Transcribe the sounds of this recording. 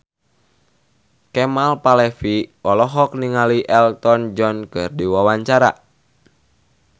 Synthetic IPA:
kɛmalpalɛfiɔlɔɦɔk̚niŋaliʔɛlt̪ɔnd͡ʒɔnkɨrdiwawaɲt͡ʃaɾa̰

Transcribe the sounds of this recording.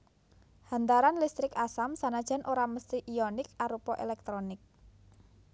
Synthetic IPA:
ha̤nt̪aɾanlist̪ɾɪkasamsanad̥ʒ̥a̤nʔoɾaməst̪iʔijɔnɪk̚aɾupɔʔelɛk̚t̪ɾɔnɪk̚

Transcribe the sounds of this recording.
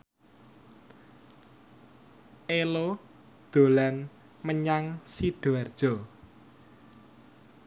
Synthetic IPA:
ʔelo | d̪̥o̤lan | məɲaŋsiɖ̪̥oard̥ʒ̥ɔ̤

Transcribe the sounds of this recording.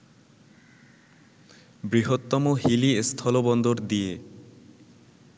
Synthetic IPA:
bɾiɦot̪ːɔmoɦiliest̪ʰɔlobɔnd̪oɾd̪ije

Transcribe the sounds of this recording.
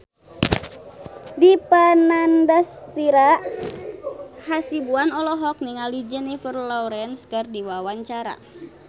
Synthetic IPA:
dipanandast̪iɾaʔ | hasibuanɔlɔɦɔk̚niŋalid͡ʒɛnifərlɔɾɛnskɨrdiwawaɲt͡ʃaɾa̰

